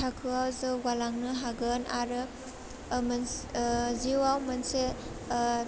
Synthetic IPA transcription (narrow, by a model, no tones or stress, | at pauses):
akʰɯawzɯwalaŋnɯɦaɡɯnaɾɯ | mɐn | ziwawmɐnse